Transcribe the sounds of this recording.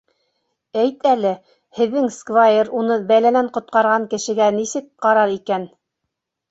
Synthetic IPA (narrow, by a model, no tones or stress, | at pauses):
æjt̪ælɘ | hɘ̆ðːɘŋskvajeɾunɤbælælæɴqŏt̪̚qɑɾʁɑŋkɘ̆ʃɘ̆ɡænisɘk̚qɑɾɑɾikæn